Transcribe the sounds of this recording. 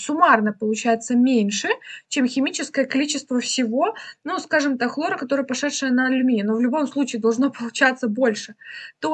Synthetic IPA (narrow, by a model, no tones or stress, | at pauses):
sʊmarnəpəlˠʊt͡ɕæjɪt̪səmʲenʲʂɨt͡ɕe̞mxʲɪmʲit͡ɕɪskəjəkɐlʲit͡ɕɪst̪vəfsʲɪvo̞nuskaʐɨmt̪akxlˠo̞ɾəkɐt̪o̞ɾəjəpɐʂɛt̪ʂɨjənəlʲʊmʲinʲɪnovlʲʊbo̞mslˠut͡ɕɪːd̪ɐlˠʐno̞pəlˠʊt͡ɕat̪sːəbo̞lʲʂɨt̪o